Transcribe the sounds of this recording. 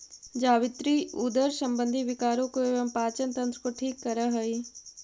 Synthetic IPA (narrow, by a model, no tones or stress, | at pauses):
d͡ʒaːʋɪt̪ɾiuːd̪əɾsɐ̃mbə̃nd̪ʱiʋɪkaːɾõkoeʋɐmpaːt͡ʃənt̪ɐ̃nt̪ɾəkoʈʰiːkːɐɾəɦɐiː